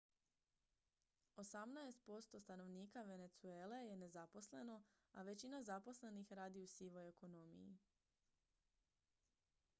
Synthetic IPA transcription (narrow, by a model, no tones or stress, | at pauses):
o̞samnaest̪̚po̞st̪o̞st̪ano̞ʋniːkaʋe̞ne̞t̪sue̞ːle̞je̞ne̞zapo̞sle̞no̞ | aʋe̞t͡ɕinazapo̞sle̞nixɾaːd̪iusiʋo̞je̞ko̞no̞mḭḭ